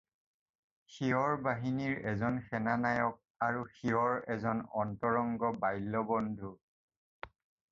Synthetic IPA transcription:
xiɔɹbaɦiniɹɛzɔnxɛnanajɔk̚aɹuxiɔɹɛzɔnɔntɔɹɔŋɡɔbajlːɔbɔndʱu

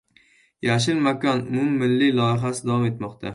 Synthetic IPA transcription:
jaʃ̬ɪlmakɒnʊmʊmːɪlːɪlɒjɪɦasɪd̪awɒme̞t̪mɒqt̪ʰa

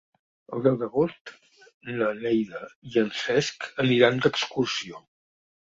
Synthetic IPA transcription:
ə̰lˠd̪ɛwˠd̪əɣost̪ | ləlɛjðəiənsɛskəniɾand̪əkskursio

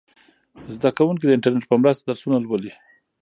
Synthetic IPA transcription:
zd̪akawuŋk̬id̪əɪɳʈaɾneʈ̚pəmɾast̪ad̪aɾsunalwəli

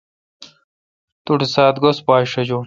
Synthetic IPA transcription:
t̪uʈisaːt̪ɡospaːʂɐd͡ʑo

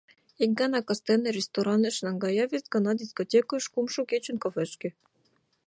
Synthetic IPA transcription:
ik̚ɡɑnɑkɑst̪ɛnɘɾʲest̪oɾɑnĕʃnɑŋɡɑjɑvʲest̪ɡɑnɑd̪ʲiskot̪ʲekoʃkumʃukʲet͡ɕunkofɛʃkʲɘ̆

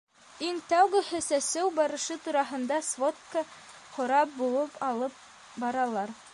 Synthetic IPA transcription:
iŋt̪æwɡɘ̆hɘsæsɘwbɑɾɤ̆ʃɤt̪uɾɑɦɤ̆nd̪ɑsvot̪kə | χŏɾɑp̚bulˠɤpɑlˠɤp̚ | bɑɾɑlˠɑɾ

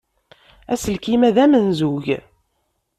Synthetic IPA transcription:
æsəlkimæðæmənzuʝ

